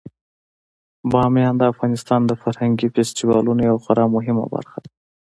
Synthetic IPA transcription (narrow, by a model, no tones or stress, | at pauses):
bɑmjɑnd̪əafɣɑnɪst̪ɑnd̪əfaɾhaŋɡifest̪iwɑlunojawxaɾɑmʊɦɪma̰ba̰ɾxad̪a